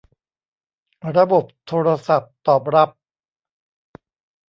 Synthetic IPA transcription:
ɾa˧bo˨˩p̚t̪ʰoː˧ɾa˧sa˨˩p̚t̪ɔː˨˩p̚ɾa˦˥p̚

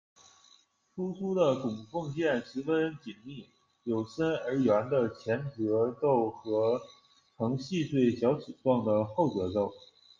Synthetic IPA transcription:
tʰu˥t͡sʰu˥d̪ə˨kʊ˨˩ŋfɤ˥˧ŋt͡ɕjɛ˥˩nʂɻ̩˧˥fə˥nt͡ɕi˨˩nmi˥˩ | jo˨˩ʊʂə˥nə˞˧˥ɥɛ˧˥nd̪ə˧t͡ɕʰjɛ˧˥nʈ͡ʂɤ˧˥t̪o˥˩ʊxɤ˧˥ | tʰɤ˧˥ŋɕi˥˧t̪we˥˩ɪɕjɑ˧˥ʊt͡ɕʰi˨˩t͡swɑ˥˩ŋd̪ə˩xo˥˩ʊt͡sɤ˨˧˥t̪o˥˩ʊ

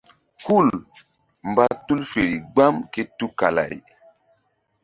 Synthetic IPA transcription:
ku˦˨l | mba˦tu˦lfe˨ɾi˨ɡ͡ba˦mke˦tu˦ka˨la̰˨j

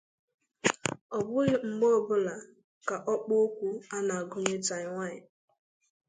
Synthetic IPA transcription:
ɔ˨bʊ˦ɣɪ˦ŋ͡m̩˨ɡ͡bo˦˨bʊ˦la˨ | ka˨ʔɔ˦k͡po˦o˦kʷu˦a˦na˨a˨ɡʊ˦ɲe˦ta˨ɲɪ˨ŋʷa˦˨ɲɪ˨

